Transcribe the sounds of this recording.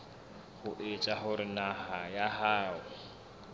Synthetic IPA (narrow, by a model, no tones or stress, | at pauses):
hʊʔet͡ʃʼaɦʊɾɪnahajaɦaːʊ